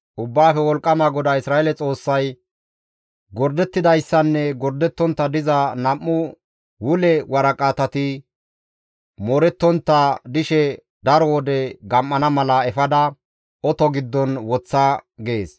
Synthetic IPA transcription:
ʔʊbːaːfɛwɔlkʼːɐmaɡɔd̪ɐɪsɾaːelɛt͡sʼo̞ːsːɐj | ɡɔɾd̪ɛt̪ːɪd̪ɐjsːɐnːɛɡɔɾd̪ɛt̪ːɔnt̪ːɐd̪ɪzɐnɐmːʊ | wʊlɛwɐɾɐkʼat̪ɐt̪ɪ | mɔɾɛt̪ːɔnt̪ːɐd̪ɪʃɛ | d̪ɐɾɔwɔd̪ɛɡɐmːɐnɐmɐlɐɛfɐd̪ɐ | ɔt̪ɔɡɪd̪ːɔnwɔt͡sːɐɡe̞ːs

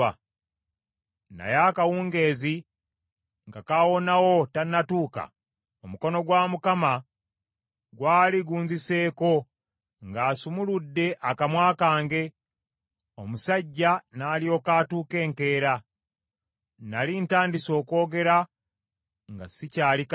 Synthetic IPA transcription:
na̰jaːkawuːŋɡe̞ːzi | ŋɡakawo̞nawo̞tanːatuːka̰ | omuko̞no̞ɡwaːmukama | ɡwaːliɡuːnzise̞ːko̞ | ŋɡaːsumuludːe̞ʔakamwaːkaːŋɡe̞ | omusaɟːanaːljo̞kaːtuːke̞ːŋke̞ːɾa | nalintaːndiso̞ːko̞ːɡe̞ɾa | ŋɡasicaːlik

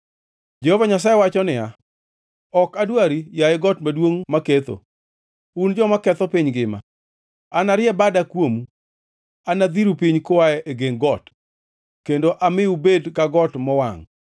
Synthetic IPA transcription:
d͡ʒɛhovaɲas̬ajewat͡ʃɔnɪja | ɔkadwaɾijaɪɡɔtmadwoŋmaket̪o̰ | und͡ʒɔmakɛt̪ɔpiɲɡɪma̰ | anaɾjɛbadakwomu | anad̪iɾupiɲkowaɛʔeɡeŋɡɔt | kendoʔamɪubedkaɡɔtmɔwaŋ

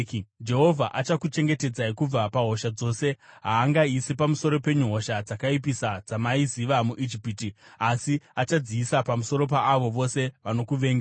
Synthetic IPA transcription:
d͡ʒe̞ɦo̞vʱaʔat͡ʃakut͡ʃe̞ŋɡe̞te̞d͡zaikub͡vapaɦo̞ʃad͡zo̞ːse̞ɦaːŋɡaisipamuso̞ɾo̞pe̞ɲuɦo̞ʃad͡zakaipisad͡zamaiziʋamuʔid͡ʒipiːtiasiat͡ʃad͡ziːsapamuso̞ɾo̞p̬aːʋo̞ʋo̞se̞ʋano̞kuʋe̞ːŋɡa

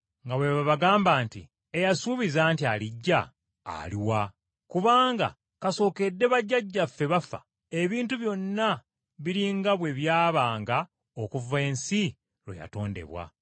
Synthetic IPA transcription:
ŋɡaβwe̞βaβaɡaːmbaːntḭ | ejasuːβizaːntialiɟːa̰ː | liwa | kuβaːŋɡa̰ | kaso̞ːke̞dːe̞βaɟːaɟːafːe̞βafa̰ | e̞βiːntuβjo̞nːa | βiɾiŋɡaβwe̞βjaːβaːŋɡa | okuve̞ːnsi | ɾwḛja̰to̞ːnde̞̰βwa̰

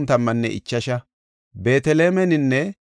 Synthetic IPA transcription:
nt̪ɐmːɐnːɛ̰ʔɪ̰t͡ʃːɐʃɐ | be̞ːt̪ɛleːmɛnɪnːɛ

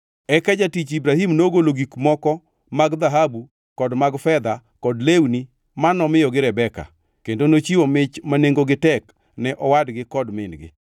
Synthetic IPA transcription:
ɛkad͡ʒatit͡ʃibɾahimnoɡoloɡikmɔkɔ | maɡd̪aɦabu | kɔdmaɡfɛd̪a | kɔdlewni | manɔmɪjɔɡɪɾɛbɛka̰ | kendonot͡ʃiwomɪt͡ʃmaneŋɡoɡɪtɛk | nɛʔɔwadɡɪkɔdmɪnɡɪ̰

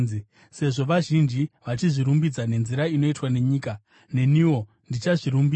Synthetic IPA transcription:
i | se̞ʐo̞ʋaʒind͡ʒiʋat͡ʃiʐiɾumbid͡zane̞nziɾaino̞itwane̞ɲiːka | ne̞niwo̞ | ndit͡ʃaʐiɾumbi

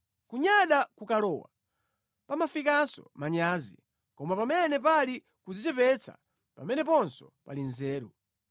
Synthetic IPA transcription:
kuɲaɗakukalɔwa̰ | pamafikasɔ̰maɲaːzḭ | kɔmapamɛnɛpali | kuzit͡ʃɛpɛt͡sʰa̰ | pa̰mɛnɛpɔnsɔpa̰linzɛːɾṵ

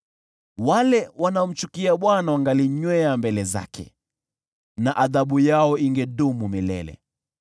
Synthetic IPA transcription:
walɛwanaɔm̩t͡ʃukiaɓwanawaŋɡaliɲwɛambɛlɛza̰kʰɛ̰ | naʔaðaɓujaɔiŋɡɛɗumumilɛ̰lɛ̰

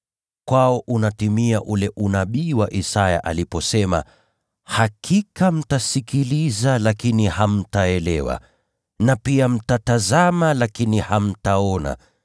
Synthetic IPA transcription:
kwaɔʔunatimiaʔulɛʔunaɓiwaʔisaja̰ʔalipɔsɛma̰ | hakʰikam̩tasikilizalakiniham̩taɛlɛwa̰ | napiam̩tatazamalakiniham̩taɔna̰

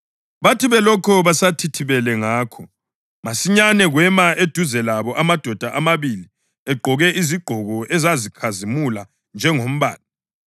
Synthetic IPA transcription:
βatʰiβɛlɔkʰɔβasatʰitʰiβɛlɛŋaːkʰɔ | masiɲanɛɣwɛmaʔed̥ʱuzɛlaβɔʔamad̥ʱɔd̥ʱaʔamaβili | ɛɡ͡ǃʱɔɣɛʔiziɡ͡ǃʱɔɣɔʔɛzazikʰazimula | nd͡ʒʱɛŋom̩βa̰ːla

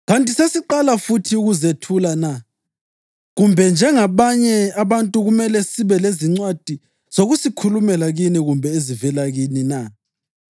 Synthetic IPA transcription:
ɣantʼisesiǃalafutʰiuɣuzetʰulana | ɣumbʱɛnd͡ʒʱɛŋaβaɲɛaβantʼuɣumɛlɛsiβɛleziŋ͡ǀwad̥ʱi | z̥oɣusikʰulumɛlaɣiniɣumbʱɛezivɛlaɣinina

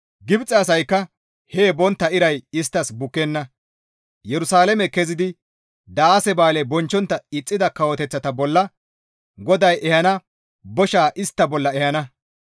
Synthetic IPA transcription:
ɡɪbt͡sʼːɐɐs̬ɐjkːɐ | heːbɔnt̪ːɐɪɾɐjɪst̪ːɐsbʊkːɛnːɐ | jɛɾʊsaːlɛmɛkɛzɪd̪ɪ | d̪ɐaːsɛbaːlɛbɔnt͡ʃːɔnt̪ːɐɪt͡sʼːɪd̪ɐkɐwɔt̪ɛt͡sːɐt̪ɐbɔlːɐ | ɡɔd̪ɐjʔɛhɐnɐ | bɔʃaːʔɪst̪ːɐbɔlːɐɛhɐnɐ

